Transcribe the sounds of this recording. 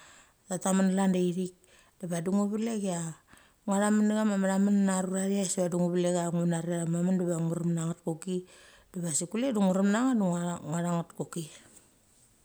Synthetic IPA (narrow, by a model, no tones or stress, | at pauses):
tatamanlandeiɾik̚ | d̥eβaduŋuβileɡea | ŋaɾamaneɡamamaɾamannaɾuɾaɾiaseβaduŋuβileɡaŋunaɾiaɾamamandeβaŋuɾamnaŋatkoki | d̥eβasikuleduŋuɾamnaŋaduŋŋaɾaŋatkoki